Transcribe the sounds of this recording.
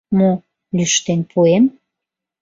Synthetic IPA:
mo | lyʃt̪enpʰuem

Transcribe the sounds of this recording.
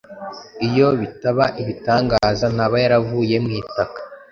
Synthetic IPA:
ijo̞βitaβaʔiβitaːŋɡaːzan̥aβajaɾavuːje̞mŋiːtakḁ

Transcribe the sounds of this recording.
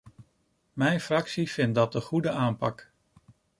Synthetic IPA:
mɛjnfrɑksiv̥ɪnt̚dɑt̚dəχudəʔaːmpɑk

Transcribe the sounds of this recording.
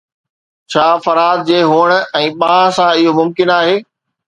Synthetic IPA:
t͡ɕʰaːfɐɾaːd̪̚d͡ʑeːɦuːəɽ̃̆ɛ̃ːɓãːsãɪɦomʊmkɪnaːɦeː

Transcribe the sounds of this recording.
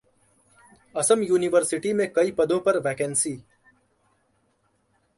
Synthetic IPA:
ɐsəmjuːnɪʋəɾsɪʈimẽkɐipɐd̪õpɐɾʋɛːkɛ̃ːnsiː

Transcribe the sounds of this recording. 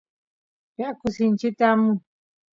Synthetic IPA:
pjakusint͡ʃit̪amu

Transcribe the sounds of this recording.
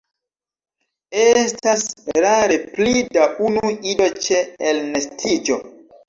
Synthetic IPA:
estasɾaɾe̞plidaʔunuido̞t͡ʃeːlnestʰid͡ʒo̞

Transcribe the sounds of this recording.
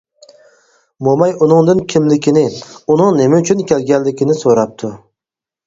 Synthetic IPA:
bomɑjunɨŋd̪ɨnkʲʰimlɪkʲʰɪnɪunɨŋnemɛyt͡ʃʰynkʲelɡʲɛlːɪkʲʰɪnɪsoɾɑp̚t̪ʰʊ

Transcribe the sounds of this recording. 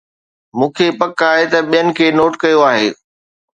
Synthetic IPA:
mũːkʰepɐkaːɦet̪ɐɓijənɪ̆kʰeːnoːʈkɐjoaːɦḛː

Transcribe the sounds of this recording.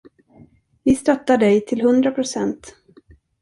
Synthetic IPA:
vɪst̪œt̪ːaɖɛjt̪ʰɪlɦɵnd̪ɾapʰɾʊsɛnt̪

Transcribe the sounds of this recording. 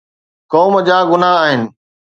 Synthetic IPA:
kɔːməd͡ʑaːɡʊnaaːɦɪnɪ̆

